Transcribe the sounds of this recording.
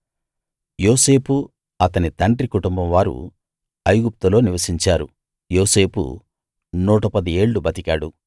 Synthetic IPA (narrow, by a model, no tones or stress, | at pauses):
joːse̞ːpu | ɐt̪ɐnit̪ɐɳʈɾikuʈumbɐmʋaːɾṵ | ɐjɡup̚t̪ulo̞ːniʋɐsiɲt͡ʃaːɾṵ | jo̞ːse̞ːpṵ | nuːʈɐpɐd̪ie̞ːɭːubɐt̪ikaːɽu